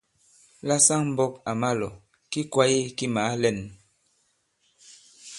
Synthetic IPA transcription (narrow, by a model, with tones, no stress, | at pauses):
la˦sa˦ŋm̩˦bɔ˦ka˨ma˦lɔ˨ | ki˦kwa˦je˦ki˦ma˨˦lɛ˦˨n